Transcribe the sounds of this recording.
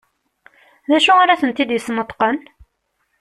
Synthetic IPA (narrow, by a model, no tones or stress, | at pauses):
ðæʃuaɾæθənt̪id̪jəsnət̪ˤːqən